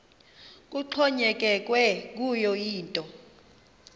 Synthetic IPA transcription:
k̬ʼuǃʰɔɲɛk̬ɛk̬ʼwɛk̬ujɔjiːntʼɔ

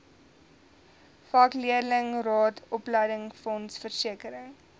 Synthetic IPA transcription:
fɑːkliədələŋrɑːtʰɔplɛjdəŋfɔnsfərsiəkəɾəŋ

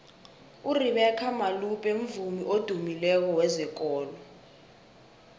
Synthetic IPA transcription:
uriɓɛkʰamalupʼem̩vumiʔod̥ʱumilɛk̬ɔwɛzɛk̬ʼɔːlɔ

